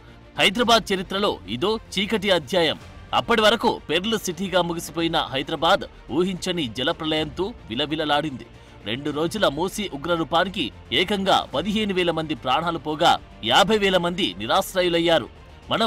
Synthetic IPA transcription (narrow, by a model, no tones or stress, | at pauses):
hɐjd̪ɾɐbaːd̪̚t͡ʃɐɾit̪ɾɐlo̞ːid̪oːt͡ʃiːkɐʈ̬iɐd̪ʱjaːjɐmɐ̰pːɐʈiʋɐɾɐkṵpeɾulusiʈiːɡaːmuɡisipoːjinɐ̰ɦɐjd̪ɾɐbaːd̪ | uːɦiɲt͡ʃɐnid͡ʒɛlɐpɾɐlɐjɐnt̪uːʋilɐʋilɐlaːɽind̪ḭ | ɾḛɳɖuɾo̞ːd͡ʒulɐmoːsiːʔuɡɾɐɾuːpaːniki | ɛːkɐŋɡa̰ːpɐd̪iɦe̞ːnuʋɛːlɐmɐnd̪ipɾaːɳaːlupɔːɡa̰ː | jaːbʱɐjʋɛːlɐmɐnd̪iniɾaːsɾaːjulɐjːaːɾṵ | mɐnɐ